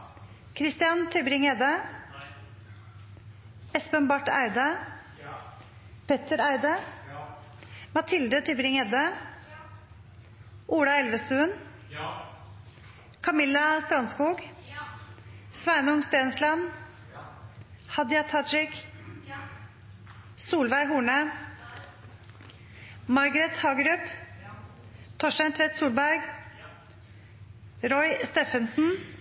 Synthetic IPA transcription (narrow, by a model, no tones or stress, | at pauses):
kʰɾɪst̪ɪjɑnt̪ʰʏbɾɪŋɛd̪ə | ɛspənbɑʈːæ̰ɪd̪ə | pʰɛt̪əɾæɪd̪ə | mɑt̪ʰɪld̪ət̪ʰʏbɾɪŋɛd̪ə | ʔuːɽɑɛlʋəst̪ʉːən | kʰɑmɪlːɑst̪ɾɑnskuːɡ | sʋæɪnəʊŋst̪eːnslɑn | hɑd̪jɑt̪ʰɑd͡ʒɪk | suːlʋæɪɦuːɳə | mɑɾɡəɾɛt̪hɑːɡɾʉp | t̪ʰɔʂʈæɪnt̪ʰʋɛt̪suːlbæɾɡ | ɾɔʏst̪eːfənsn̩